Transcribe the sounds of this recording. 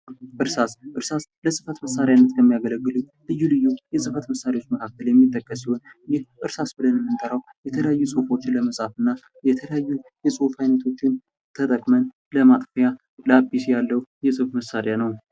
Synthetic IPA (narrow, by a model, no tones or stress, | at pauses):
ʔɨɾsasʔɨɾsasləsʼɨfət̪məsːaɾjanːət̪kʰəmːijaɡələɡːɨlu | lɨjːulɨjːujɛsʼɨfət̪məsaɾewo̞t͡ʃːməkʰak̚t̪ːəljɛmːit̪ʼːəkʼːəsihonjɪhʔɨɾsasbɨlənjɛmːɨnt̪ʼəɾawjɛt̪ʰələjajːusʼofo̞t͡ʃːɪnləməsʼafɨnːa | jɛt̪ʰələjajːujɛsʼufhajnət̪ʰo̞t͡ʃːɪn | t̪ʰət̪ʼəkʼmən | ləmat̪ʼfja | ləabːisjalːəwjɛsʼɨfməsːaɾjanəw